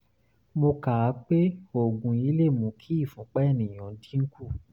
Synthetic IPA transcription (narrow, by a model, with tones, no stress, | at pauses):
mo˧ka˨˦k͡pe˦o˨ɡũ˨i˧˦le˦˨mũ˨˦kʰi˦˨fũ˨˦k͡pɛ˦˨nĩ˨j̃ɔ̃˨˦dĩ˦ŋ̩˦ku˦˨